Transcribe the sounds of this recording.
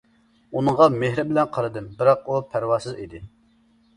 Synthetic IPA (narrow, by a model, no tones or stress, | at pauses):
unɨŋʁɑmehɾɪbɪlɛnqʰɑɾɨd̪ɨmbɪɾɑq̚upʰæɾwɑsɨzid̪ɪ